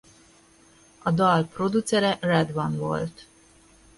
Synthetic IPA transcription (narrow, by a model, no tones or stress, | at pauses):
ɒd̪ɒlpro̞d̪ut̪sɛɾɛrɛd̪vɒnvo̰lt̪